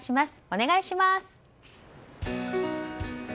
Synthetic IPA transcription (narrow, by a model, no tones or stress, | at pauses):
ɕimasɨ̥o̞ne̞ɡaiɕimasɨ̥